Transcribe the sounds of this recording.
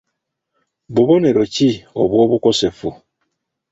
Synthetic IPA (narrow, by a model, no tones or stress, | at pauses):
bubɔnɛɾot͡ʃiɔ̰buɔbukɔsɛfu